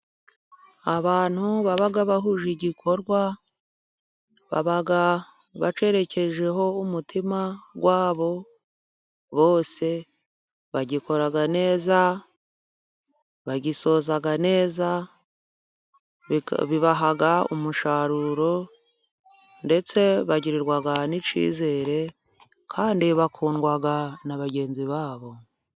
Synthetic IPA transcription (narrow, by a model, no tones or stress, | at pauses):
aβaːn̥huβaβaɡaβaɦuʒiɟikʰo̞ɾɡwa | βa̰βaɡa | βa̰t͡ʃe̞ɾe̞ce̞ʒe̞ɦo̞umutʰimaɡwaːβo̞ | βo̞ːse̞ | βaɟiko̞ɾaɡane̞ːza | βaɟiso̞ːzaɡane̞ːza | βiβaɦaɡaṵmuʃaɾuɾo̞ | nde̞t͡se̞βaɟiɾiɾɡwaɡanit͡ʃḭːze̞ɾe̞ | kʰaːndiβakʰuːnɡwaɡanaβaɟe̞ːnziβaːβo̞